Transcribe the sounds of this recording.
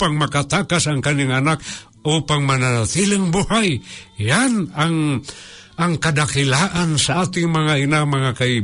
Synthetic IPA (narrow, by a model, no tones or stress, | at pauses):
paŋmakat̪akasaŋkaniŋanak̚ | upaŋmanaat̪iləŋbuhajjjanaŋ | aŋkadakilaʔansaat̪iŋmaŋainamaŋakai